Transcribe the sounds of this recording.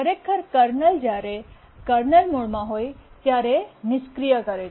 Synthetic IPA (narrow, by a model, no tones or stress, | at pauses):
əɾekʰːəɾkəɾnəld͡ʒaːɾe | kəɾnəlmuɭmãɦoːjt̪jaːɾenɪskɾijəkəɾe